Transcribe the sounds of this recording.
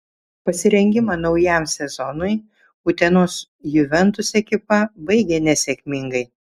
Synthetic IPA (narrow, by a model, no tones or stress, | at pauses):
pɐsʲɪɾʲɛŋʲɡʲɪmɐnɒʊjɛˑmsʲɛzɔnʊɪ | uːt̪ʲɛnoːs | jʊʋʲɛnt̪ʊsɛkʲɪpɐbɐɪɡʲɛnʲɛsʲɛkʲmʲɪŋɡɐɪ